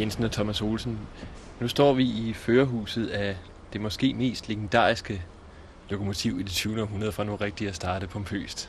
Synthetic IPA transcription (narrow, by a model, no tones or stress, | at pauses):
jensn̩ɒt͡sʰɒ̽mæso̝ːlsn̩ | nusd̥ɒ̰ːʋiiføːɐɦṵːsð̞̩ˠæ | d̥e̝mɒ̽sɡ̥e̝̰ːme̝̰ːsd̥leɡ̥en̩d̥ɑ̰̈ːʁisɡ̥ə | lo̝kʰo̝mo̝t͡sʰiʊ̰id̥it͡sʰyːʊnəɒɦunɐðˠəfʁɑ̈no̝ʁeɡ̥̚d̥iæsd̥ɑ̈ːɾ̥əpʰɒ̽mpʰø̰ːsd̥